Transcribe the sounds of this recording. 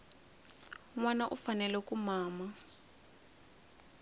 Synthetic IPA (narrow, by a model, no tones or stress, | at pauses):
ŋwanaʔufanɛlɛkumaːma